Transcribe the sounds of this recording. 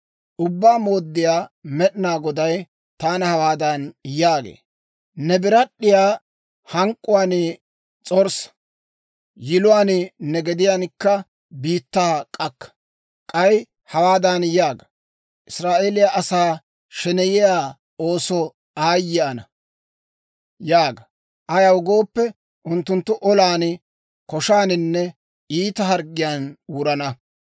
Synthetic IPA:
ʔʊbːaːmo̞ːd̪ːɪjaːmɛɗɪnaːɡɔd̪ɐj | t̪aːnɐhɐwaːd̪ɐnjaːɡḛː | nɛbɪɾɐɗːɪjaː | hɐŋkʼːʊwaːnɪ | t͡sʼɔɾsɐ̥ | jɪlʊwaːnnɛɡɛd̪ɪjaːnkːɐ | biːt̪ːaːkʼɐkːɐ̥ | kʼɐj | hɐwaːd̪anjaːɡɐ | ʔɪsɾaːʔeːlɪjaʔɐsaː | ʃɛnɛjɪjaː | oːsɔ | aːjːɪɐnɐ | jaːɡɐ | ʔɐjɐwʊɡo̞ːpːɛ | ʔʊnt̪ːʊnt̪ːʊʔɔlaːn | kɔʃaːnɪnːɛ | iːt̪ɐɦɐɾɡɪjaːnwʊɾɐnɐ

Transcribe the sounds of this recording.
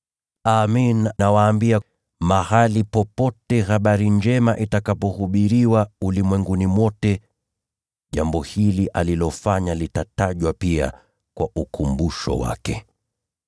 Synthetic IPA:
aminnawaːmbia | mahalipɔpɔtɛhaɓaɾiɲd͡ʒɛmaʔitakapɔhuɓiɾiwaulimwɛŋɡunimwɔtɛ | ʄambɔhiliʔalilɔfaɲalitataʄwapia̰ | kwa̰ʔukumbuʃɔ̰wa̰kɛ

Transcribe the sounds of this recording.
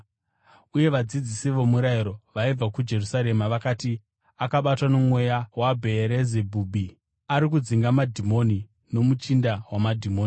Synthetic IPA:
uje̞ʋad͡zid͡zisiʋo̞muɾaiɾo̞ʋaib͡vakud͡ʒe̞rusaɾe̞maʋakaːti | akaɓatwano̞mwe̞jawabʱe̞ɾezebʱuːbi | aɾik̬ud͡ziŋɡamadʱimo̞ni | no̞mut͡ʃindawamadʱimoːni

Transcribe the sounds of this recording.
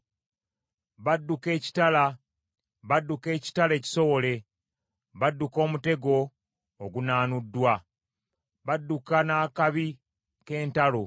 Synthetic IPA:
βadːuke̞ːci̥tala | βadːuke̞ːci̥tale̞ːci̥so̞wo̞le̞ | βadːuko̞ːmute̞ɡo̞ː | ɡunaːnudːwa | βadːukanaːkaβi | ke̞ːntalo

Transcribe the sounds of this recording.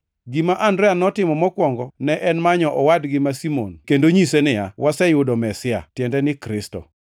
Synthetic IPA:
ɡimaʔandɾɛanɔtɪmɔmɔkwɔŋɡɔnɛʔɛnmaɲɔʔɔwadɡɪmasimo̰nkendoɲisenɪjawʔasɛjʊdɔmɛsɪa̰tjɛndɛnɪkɾɪstɔ̰

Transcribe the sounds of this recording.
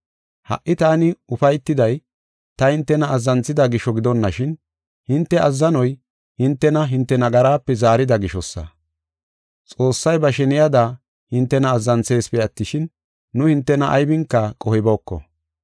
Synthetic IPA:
hɐ̰ʔːɪt̪aːnɪʊfɐjt̪ːɪd̪ɐj | t̪ɐhɪnt̪ːɛnɐːzːɐnt͡sːɪd̪ɐɡɪʃɔɡɪd̪ɔnːɐʃɪn | hɪnt̪ːɛɐzːɐnɔj | hɪnt̪ːɛnɐɦɪnt̪ːɛnɐɡɐɾaːpːɛzaːɾɪd̪ɐɡɪʃɔsːɐ̰ | t͡sʼo̞ːsːɐjbɐʃɛnɪjɐd̪a | hɪnt̪ːɛnɐːzːɐnt͡se̞ːspɛɐt̪ːɪʃɪnː | ʊhɪnt̪ːɛnɐʔɐ̰jbɪŋkːɐkʼɔhɪbɔːkːɔ̰

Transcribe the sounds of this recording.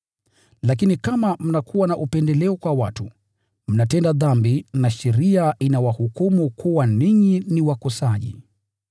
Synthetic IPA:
lak̬inikamam̩nakʰuwanaʔupɛndɛlɛɔkwawatu | m̩natɛndaðambinaʃɛɾiaʔinawahukumukʰuwaniɲiniwakɔsaʄḭ

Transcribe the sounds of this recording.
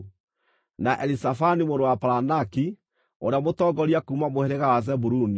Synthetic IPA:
naʔɛlisafanimoɾowapaɾanaki | o̰ɾeamotɔːɡɔɾiakuːmamohɛɾeɣawazɛbuɾuni

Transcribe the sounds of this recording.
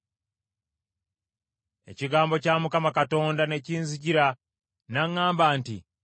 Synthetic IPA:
e̞̰ciɡaːmbo̞camukamakato̞ːndane̞ciːnziɟiɾa | naŋːaːmbaːntḭ

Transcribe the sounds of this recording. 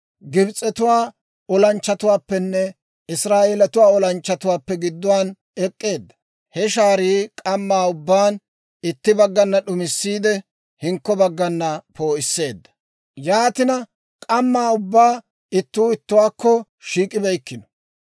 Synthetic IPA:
ɡɪbt͡sʼːɛt̪ʊwaː | ɔlɐnt͡ʃːɐt̪ʊwaːpːɛnːɛ | ɪsɾaːʔeːlɐt̪ʊwaːɔlɐnt͡ʃːɐt̪ʊwaːpːɛɡɪd̪ːʊwaːn | ɛkʼːe̞ːd̪ːɐ̥ | hɛʃaːɾiːkʼɐmːaːʊbːaːn | ɪt̪ːɪbɐɡːɐnːɐɗʊmɪsːiːd̪ɛ | hɪŋkːɔbɐɡːɐnːɐpʰo̞ːɪsːe̞ːd̪ːɐ̥ | jaːt̪ɪnɐ | kʼɐmːaːʊbːaː | ɪt̪ːuːɪt̪ːʊwaːkːɔ | ʃiːkʼɪbɛjkːɪnɔ̥

